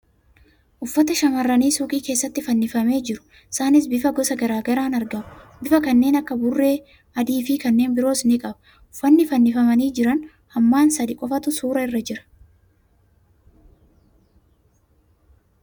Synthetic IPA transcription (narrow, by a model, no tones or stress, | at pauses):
ʔʊfːɐt̪ɐʃɐmɐrːɐniːsuːkʼiːke̞ːsːɐt̪ːɪfɐnːɪfɐme̞ːd͡ʒɪɾʊ̥ | ɪsaːnɪs̬bɪfɐɡɔsɐɡɐɾaːɡɐɾaːnɐɾɡɐmʊbɪfɐkɐnːe̞ːnɐkːɐbʊrːe̞ː | ɐd̪iːfɪkɐnːe̞ːnbɪɾo̞ːsnɪkʼɐbɐ | ʊfːɐnːɪfɐnːɪfɐmɐniːd͡ʒɪɾɐn | hɐmːaːnsɐd̪ɪkʼɔfɐt̪ʊsuːɾɐɪrːɐd͡ʒɪɾɐ̥